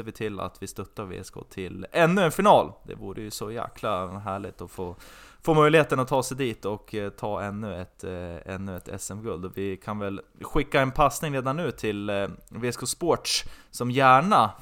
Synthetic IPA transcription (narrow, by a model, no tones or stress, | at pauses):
eːvɪt̪ʰɪla̰t̪vɪst̪ɵt̪ːaɾvḛːskʊ̰t̪ʰɪlɛnːɵɛnfɪnɑːld̪̥ɛ̰vṵːɾəjɵsɔjæ̰ːkʰlaɦæːɭɪɡt̪ɔfoːfoːmœjlɪheːt̪ənɔt̪ʰɑːsɛjd̪iːt̪ɔkt̪ʰɑːɛnːʉɛt̪ɛ̰nːɵɛt̪ʰɛ̰sɛmɡɵld̪ɔvɪkʰanvɛlɧɪkːaɛnpʰasnɪŋɾeːd̪anːʉ̟ːt̪ʰɪlveskʊspoʈʂsɔmjæːɳa